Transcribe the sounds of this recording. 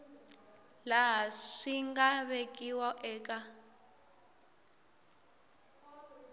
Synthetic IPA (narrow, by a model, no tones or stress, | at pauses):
laɦaʂiŋɡaβekʼiwɔʔɛːkʼa